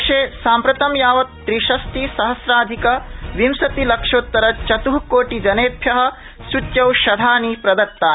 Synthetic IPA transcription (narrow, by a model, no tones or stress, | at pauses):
ʂeːsaːmpɾɐt̪ɐmjaːʋɐt̪ːɾiʃɐst̪isɐɦɐsɾaːd̪ʱikɐʋimsɐt̪ilɐkʂoːt̪ːɐɾɐt͡ʃɐt̪uɦkoːʈid͡ʒɐneːpʰjɐɦɐ̆ | sutjɐwʃɐd̪ʱaːnipɾɐd̪ɐɾ̚t̪aː